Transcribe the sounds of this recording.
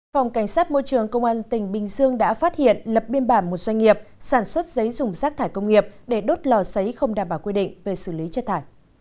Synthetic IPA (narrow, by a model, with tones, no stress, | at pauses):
fɔ˨˩wŋ͡mka˧˩jŋ̟saː˦˥t̚mo˧jt͡ɕɨ˨˩əŋkə˧wŋ͡mʔaː˧nt̪ï˧˩ŋ̟ɓï˨˩ŋ̟zɨ˧əŋɗa̰ː˧˥faː˦˥t̚hḭ˧˨ənlə˨˩p̚ɓi˧ənɓaː˧˩nmo˨˩t̚zwa˧jŋ̟ŋi˨˩əp̚saː˧˩nswə˦˥t̚zə˨˦jzʊ˨˩ŋ͡mzaː˦˥k̚t̪ʰaː˧˩jkə˧wŋ͡mŋi˨˩əp̚ɗe˧˩ɗo˦˥t̚lɔ˨˩sə˨˦jxə˧wŋ͡mɗaː˧˩mɓaː˧˩wkwi˧ɗḭ̈˧˨ŋ̟ve˨˩sɨ˧˩li˨˦t͡ɕt̚t̪ʰaː˧˩j